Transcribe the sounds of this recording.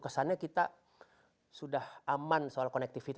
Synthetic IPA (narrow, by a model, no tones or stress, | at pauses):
kəsanakit̪a | sudahamansoalkɔnɛk̚t̪ifit̪